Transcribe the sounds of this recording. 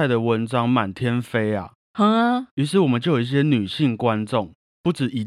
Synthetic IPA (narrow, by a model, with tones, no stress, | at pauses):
a˥˩ɪd̪ə˨wə˦nʈ͡ʂɑ˦ŋma˨˩nt̪ʰjɛ˦nfe˥ɪa̰˨ | hə˨˥˦ŋa˧y˧˥ʂ̬ɻ̩˥˩wɔ˨˩mə˨nt͡ɕjo˥˩jo˨˩˨i˥˩ɕ̬jɛ˦˥ny˨˩ɕi˥˨ŋkwa˦nt͡sɔ˥˨ŋ | pu˥˩ʈ͡ʂɻ̩˨˩ʔi˨˩